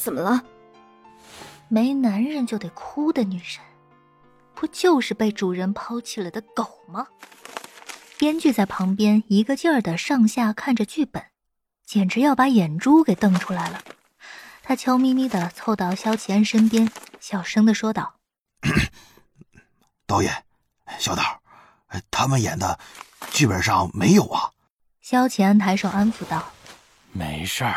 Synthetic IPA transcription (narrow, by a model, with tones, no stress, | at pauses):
t͡sə˨˩mə˦lə˧ | me˧˥ɪna˧˥nɻə˥˧nt͡ɕjo˥˩ʊt̪we˥˩ɪkʰu˥d̪ə˨ny˨˩ʂə˥n | pu˥t͡ɕjo˥˧ʊʂɻ̩˥˧pe˥˩ɪʈ͡ʂu˨˩ɻə˧˥npʰɑ˥ʊt͡ɕʰi˥˩lə˧˩ɪd̪ə˦ko˨˩ʊmɐ˦ | pjɛ˥nt͡ɕy˥˧t͡sa˥˩ɪpʰɑ˧˥ŋpjɛ˥ni˧˥ɡə˧t͡ɕjɑ˥˩d̪ə˩ʂɑ˥˧ŋɕja˥˩kʰa˥˩nʈ͡ʂə˩t͡ɕy˥˩pə˨˩˦n | t͡ɕjɛ˨˩nʈ͡ʂɻ̩˧˥jɑ˥˩ʊpa˧˥jɛ˨˩nʈ͡ʂu˥ke˨˩ɪt̪ɤ˥˩ŋʈ͡ʂʰu˥la˧˥ɪlə˧ | t̪ʰa˥t͡ɕʰjɑ˥ʊmi˥mi˥d̪ə˨t͡sʰo˥˧ʊt̪ɑ˥˩ʊɕjɑ˥ʊt͡ɕʰjɛ˧˥nʂə˥npjɛ˥nɕjɑ˨˩ʊʂɤ˥ŋd̪ə˨ʂwɔ˥t̪ɑ˥˩ʊ | t̪ɑ˥ʊjɛ̰˨˩˦n˧ | ɕjɑ˥ʊt̪ɑ˥˩ʊ | e˥˩ɪt̪ʰa˥mə˨jɛ̰˨˩nd̪ə˦˧t͡ɕy˥˩pə˨˩nʂɑ˥˩ŋme˧˥ɪjo˨˩ʊɐ̰˦ | ɕjɑ˥ʊt͡ɕʰjɛ˧˥nt̪ʰa˧˥ɪʂo˨˩a˥nfu˨˧˩t̪ɑ˥˩ʊ | mḛ˧˥ɪʂə˥˩